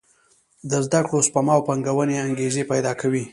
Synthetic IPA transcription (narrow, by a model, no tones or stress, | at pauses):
d̪əzd̪akɽospamɑwpaŋɡawəneaŋɡezepajd̪ɑkawi